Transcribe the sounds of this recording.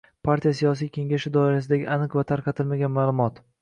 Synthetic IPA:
pʰaɾt̪ʰijasijɒs̬ijkʲe̞ŋɡʲaʃɪd̪ɒɪɾas̬ɪd̪aɡʲɪʔanɨqvat̪ʰaɾqʰɑt̪ʰɪlmaɡʲanmaːlˠʊmɒt̪

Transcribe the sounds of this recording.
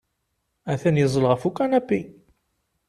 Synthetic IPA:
æθænjəzˤəlʁəfukːænæpːi

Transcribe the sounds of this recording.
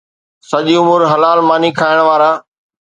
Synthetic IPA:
sɐʄiʊmʊɾɦɐlaːlmaːnikʰaːɪɽ̃ʋaːɾaː

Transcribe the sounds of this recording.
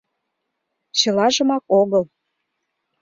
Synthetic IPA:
t͡ɕɤ̆lɑʒə̆mɑkoɣəl

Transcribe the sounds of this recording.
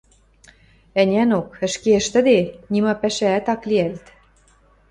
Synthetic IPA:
ɘ̆nʲænokə̆ʃkeə̆ʃt̪ə̆d̪enʲimɑpæʃæːt̪ɑkliælt̪

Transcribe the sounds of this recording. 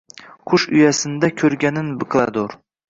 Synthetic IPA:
qʰʊʃʊjasɪnd̪akʲʰɵɾɡʲanɪnbɨqlˠa̰d̪oɾ

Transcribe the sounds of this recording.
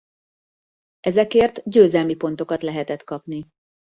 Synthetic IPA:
ɛzɛkeːrt̪ɟøːzɛlmipo̞n̪t̪o̞kɒt̪lɛɦɛt̪ɛt̪kɒpni

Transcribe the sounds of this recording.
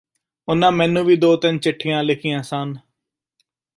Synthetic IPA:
ʊnãːmɛːnːũːʋiːd̪oːt̪ɪnt͡ʃɪʈʰːɪjãːlɪkʰɪjãːsaːn

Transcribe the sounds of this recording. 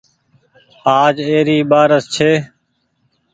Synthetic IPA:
aːd͡ʒeːɾiːɓaːɾəst͡ʃʰeː

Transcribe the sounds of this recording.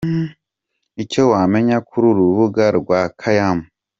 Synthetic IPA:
it͡ʃewameɲakʰuɾuɾuβuɡaɾɡwakʰajamu

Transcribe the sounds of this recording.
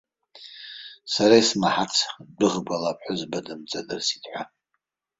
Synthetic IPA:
saɾaismaħat͡sʰdɨʁbalapʰʼħʊzbadɨmt͡sʼadɨrsi̥tʰʼħʷᶣa

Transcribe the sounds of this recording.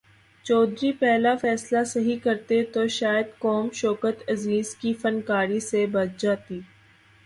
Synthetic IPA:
t͡ʃɔːd̪ɾipɛɦlafɛːslasɐɦikɐɾt̪et̪oʃaːjəd̪kɔːmʃɔːkət̪ɐziːzkifɐnkaːɾisebɐt̪̚d͡ʒaːt̪iː

